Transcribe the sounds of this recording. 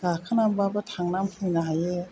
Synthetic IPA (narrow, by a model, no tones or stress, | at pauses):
ɡaːkʰanambabat̪ʰaŋnamhɯnaaje